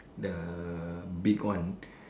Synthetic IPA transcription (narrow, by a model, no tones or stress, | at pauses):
də | bikwãn